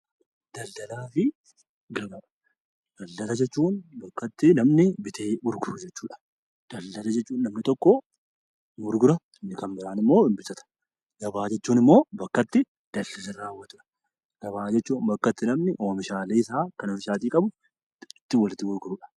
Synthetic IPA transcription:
d̪̥ɐld̪ɐlaːfɪ | ɡɐbaː | d̪̥ɐldɐlɐd͡ʒɛt͡ʃːuːnbɐkːɐt̪ːɪnɐmnɪbɪt̪ʰeːmʊɾɡʊɾʊd͡ʒɛt͡ʃːuːᶑɐ̥ | d̪̥ɐld̪ɐlɐd͡ʒɛt͡ʃːuːnːɐmnɪt̪ɔkːɔ | mʊɾɡʊɾɐ | nːɪkɐmbɪɾaːnɪmːo̞ːɪmbɪsɐt̪ɐ̥ | ɡɐbaːd͡ʒɛt͡ʃːuːnɪmːo̞ːbɐkːɐt̪ːɪ | d̪̥ɐld̪ɐlɐɾaːwːɐt̪ʊᶑɐ̥ | ɡ̥ɐβaːd͡ʒɛt͡ʃːuːnbɐkːɐt̪ːɪnɐmnɪʔoːmɪʃaːleːɪsaːkɐnofɪʃaːt̪iːkʼɐbʊ | ɪt̪ːɪwɐlɪt̪ːɪɡʊɾɡʊɾʊᶑɐ̥

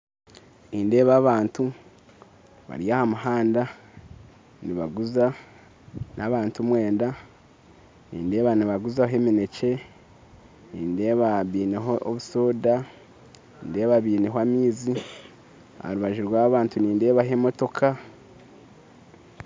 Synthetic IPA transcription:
niːnde̞ːβaːβaːntu | βa̰ɾiahamuɦaːnda | niβaɡuza | naβaːntumwe̞ːnda | nḭːnde̞ːβaniβaɡuzaɦe̞mine̞ce̞ | niːnde̞ːβaβiːneɦooβuso̞ːda | niːnde̞ːβaβiːneɦoamiːzi | aha̰ɾuβaʒiɾwaːβaːntuniːnde̞ːβaɦe̞mo̞to̞kʰa

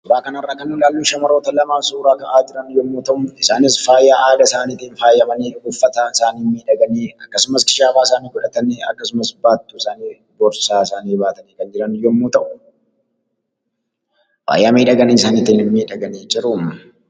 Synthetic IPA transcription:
ɔbaːkɐnɐrːaːkɐnːʊlaːlːuːʃɐmɐɾoːt̪ɐlɐmaːfsuːɾaːkɐʔaːd͡ʒɪɾɐnɪjːɔmːuːt̪ɐʔʊmɪsaːnɪsfaːjaːʔaːd̪ɐsaːniːt̪iːnfaːjːɐmɐniːɡʊfːɐt̪aɪsaːniːmːiːᶑɐɡɐneːɐkːɐsʊmɐskɪ̥ʃaːfaːɪsaːniːɡɔᶑɐt̪ɐneɐ̰kːɐsʊmɐsbaːt̪ːuːɪsaːniː | bɔɾsaːɪsaːniːbaːt̪ɐniːkɐnd͡ʒɪɾɐnjɔmːuːt̪ɐʔʊ | fa̰ːjːaːmeːᶑɐɡɐniːɪsaːnɪt̪iːnɪmːiːᶑɐɡɐneːd͡ʒɪɾʊm

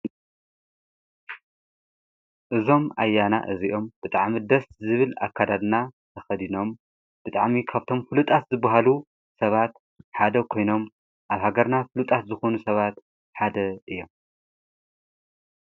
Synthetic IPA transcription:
ʔɨzo̞mʔa̰jana̰ʔɨziʔo̞mb̥ɨt̪ʼaʕmid̪ɐszɨβɨla̰kʰːad̪ad̪nat̪ʰɐxɐd̪ino̞m | b̥ɨt̪ʼa̰ʕmikʰaβt̪ʰo̞mfɨlut̪ʼat̪zɨbːaɦalu | sɐβat̪̚ | ħad̪ɐkʰo̞jno̞m | ʔaβhaɡɐɾnafɨlut̪ʼat̪zɨxo̞nusɐβat̪ | ħad̪ɐʔɨjːo̞m

